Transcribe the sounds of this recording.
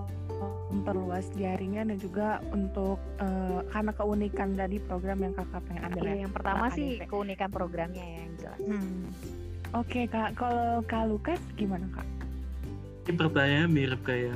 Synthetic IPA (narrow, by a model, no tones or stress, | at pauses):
nt̪ərluasdiaɾiɲanad͡ʒuɡaunt̪ʊk̚əːkarnakəunikand̪adipɾoɡɾamjaŋkakap̪aɲaʔambɪlajaŋpərt̪amaɪhkəunikanpɾoɡɾamɲajaɡit̪ṵa̰ | okekaʔkalokalukatɡimanaka̰ʔ | ipərt̪aɲamiɾəp̚kaja